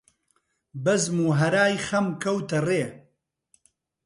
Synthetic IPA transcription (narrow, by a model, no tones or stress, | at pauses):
bɐzmuːɦɐɾaːjxɐmkʰɐwt̪ɐreː